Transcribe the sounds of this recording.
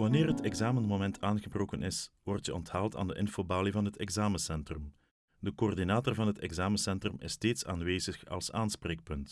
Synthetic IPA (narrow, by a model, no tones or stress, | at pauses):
ʋɑneːrɦətʰɛɡzaːmənmomɛntʰaːnɣəbroːkənɪswɔrtjəɔnthaːlˠta̰ːndəʔɪnfobaːlivɑnɦətɛɡzaːmənsɛntrɵm | dəkoːrdinaːtɔrvɑnɦətɛɡzaːmənsɛntrɵmɪ̰steːtsa̰ːnʋeːzəxɑ̰lˠsaːnspreːk̚pɵnt